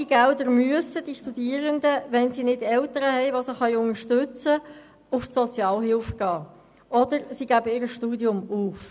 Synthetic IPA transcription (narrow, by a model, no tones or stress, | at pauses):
iɡ̥æld̪əɾmyəsədiʃtud̥iːəʁənd̪əʋɛnsiːnɪdɛltəɾəhɛjʋosəχɑjʊnəʃtʏt͡sə | ʊfsɔt͡sjɑːlɦɪlfɡ̥ɑː | ʔɔdəɾsiɡ̥æbəɪːɾəʃtuːdjʊmuːf